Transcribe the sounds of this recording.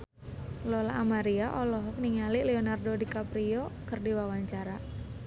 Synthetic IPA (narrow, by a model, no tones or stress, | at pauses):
lɔlaʔːmaɾiaʔɔlɔɦɔk̚niŋalilɛɔnardodikapɾiɔkɨrdiwawaɲt͡ʃaɾa